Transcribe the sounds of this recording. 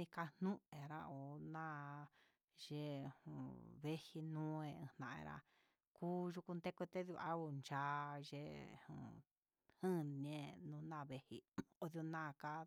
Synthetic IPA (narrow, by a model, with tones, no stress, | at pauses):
ĩ˧ka˧nnũ˦e˨ɾa˧o˨nã˦ | ʒe˧˨hũ˨βe˦hi˧nũː˦ẽ˧ɨ̰̃˧nã˨˧ḛ˧ɾa̰˧ | kuː˦ʒu˧ku˧nd̪e˦kʷe˧t̪e˦ðu˧a˦u˧˨nd͡ʒa˨˦ʒe˧˦˨hṵ̃˨ | hɨ̃˦n˧ẽ˦nũ˧nã˦˨βe˧hḭ˧o˧ðjo˧nã˦˨ka˦